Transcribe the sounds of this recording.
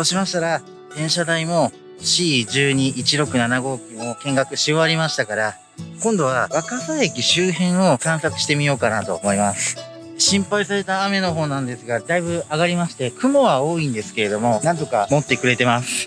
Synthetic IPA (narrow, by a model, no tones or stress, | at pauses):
t̪o̞ɕimaɕi̥t̪aɾa | d̪ẽ̞ɰ̃ɕad̪aimo̞ | ɕiːd͡ʑɨːɲ̟iʔːt͡ɕiɾo̞kɯ̟nanaɡo̞ːkʲino̞kẽ̞ŋɡakɯ̟ɕioβaɾʲimaɕi̥t̪akaɾa | kõnd̪o̞βaβakasaekʲiɕɨːɦẽ̞ɰ̃o̞kãɰ̃sat͡sɨ̥ɕi̥t̪e̞mʲijo̞ːkanat̪o̞̰mo̞imasɨ̥ | ɕĩmpaisaɾe̞t̪aːme̞no̞ɦo̞ːnãnd̪e̞sɨɡad̪aibɯ̟aɡaɾʲimaɕi̥t̪e̞kɯ̟mo̞βao̞ːĩnd̪e̞sɨ̥ke̞ɾe̞d̪o̞mo̞nãnt̪okamo̞t̪ːe̞kɯ̟ɾe̞t̪e̞masɨ̥